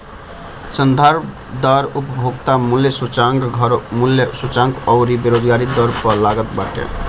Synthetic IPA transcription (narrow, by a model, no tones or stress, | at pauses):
sʌnd̪ʱaɾ | d̪ʌɾupʌbʱoɡt̪amuljʌsut͡saŋɡɡʱʌɾmuljsut͡saŋɡʌwɾibeɾod̪ɡaɾid̪ʌɾpʌlaɡʌt̪̚baʈʰʌ̰